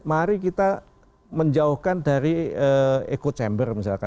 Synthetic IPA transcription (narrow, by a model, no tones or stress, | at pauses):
maɾik̬it̪a | məɲd͡ʒauhkandaɾiəːḛkot͡ʃɛmbərmis̬alka